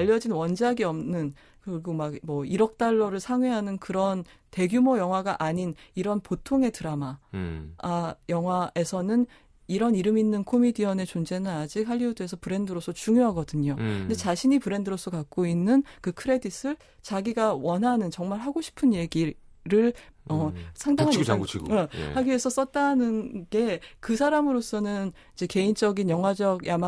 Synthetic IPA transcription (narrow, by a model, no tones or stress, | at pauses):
aʎːʌd͡ʑinwʌnd͡ʑaɡiʌmnɯn | kɯɾiɡomaɡmʌiɾʌk̚t͈aɭːʌɾɯɭsʰaŋɥeɦanɯnkɯɾʌn | te̞ɡjumojʌŋɦwaɡaʔaɲiniɾʌnpotʰoŋe̞tɯɾama | jʌŋɦwae̞sʰʌnɯn | iɾʌniɾɯminːɯnkʰomidiʌne̞t͡ɕond͡ʑe̞nɯnad͡ʑik̚haʎːiudue̞s̬ʰʌpɯɾe̞ndɯɾos͈ʰʌt͡ɕuŋjoɦaɡʌdɯɲonde̞t͡ɕaɕʰiɲipɯɾe̞ndɯɾos͈ʰʌkak̚k͈oinːɯnkɯkʰɯɾe̞dis͈ɯɭ | t͡ɕaɡiɡawʌnɦanɯnt͡ɕʌŋmaɭɦaɡoɕʰi̥pʰɯnje̞ɡi | ɾɯɭʌsʰaŋdaŋɦaniɡḛhaɡue̞sʰʌs͈ʌt̚t͈anɯnɡe̞kɯsʰaɾamɯɾos͈ʰʌnɯn | id͡ʑe̞ke̞int͡ɕ͈ʌɡinjʌŋɦwad͡ʑʌɡjama